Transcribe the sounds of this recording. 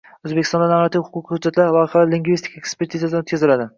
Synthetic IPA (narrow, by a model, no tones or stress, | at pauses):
ɵzbekʲɪ̥st̪ɒnd̪anaɾat̪ʰiwhʊqʰʊqʰhʊd͡ʒat̪laɾlɒjɪχalaliŋɡvist̪ʰikʲekspe̞ɾt̪ʰizad̪anot̪̚kʲazɪlad̪ɪ